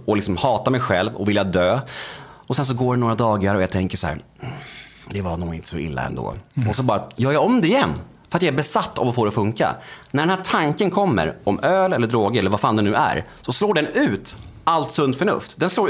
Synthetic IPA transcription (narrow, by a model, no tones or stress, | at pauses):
ɔlɪksɔmhɑːt̪amɛjɧɛlvɔvɪljad̪øː | ɔsɛns̬ɔɡoːɖɛnoːɾad̪ɑːɡaɾɔjat̪ʰɛŋkəʂɔhæ̰ːɾ | d̪ɛvanuːɪnt̪ə̥sɔɪ̰lːa̰ɛ̰nd̪o̰ːɔsɔbɑːɾajœːɾjaɔmd̪ɛɪjɛnː | fœɾat̪jaæɾbɛsat̪ːavɔfoːɾɔfɵŋka̰næɾɖɛnhæʈʰaŋkənkʰɔmːə̰ɾɔmøːlɛlːəɖɾoːɡəɾɛlːəɾvaɾfaːnd̪ɛnʉ̟ːæ̰ɾsɔsloːɖɛnʉ̟ːt̪alt̪sɵnd̪fœɳɵ̰ft̪d̪ɛnsloːɾ